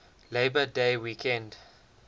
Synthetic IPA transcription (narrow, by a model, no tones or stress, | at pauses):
leɪbədeɪwikʰɛ̃nd